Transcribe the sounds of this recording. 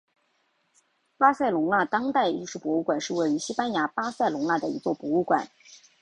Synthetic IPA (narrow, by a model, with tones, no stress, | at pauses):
pa˥sa˥˩ɪlʊ˧˥ŋla˥˩t̪ɑ˥ŋt̪a˥˧ɪi˥˧ʂɻu˥˩pwɔ˧˥u˥˩kwa˨˩nʂɻ̩˥˧we˥˩ɪy˧˥ɕi˥pa˥nja˧˥pa˥sa˥˩ɪlʊ˧˥ŋla˥˩d̪ə˩ḭ˧˥t͡swɔ˥˩pwɔ˧˥u˥˩kwa̰˨˩˦n